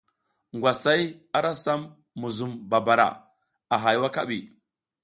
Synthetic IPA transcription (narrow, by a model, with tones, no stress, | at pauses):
ŋɡʷwa˨sa˦ja˦ɾa˦sa˦mː | u˨zu˨mba˨ba˨ɾa̰˨ | a˨ɦa˨jwa˦ka˦ɓi˨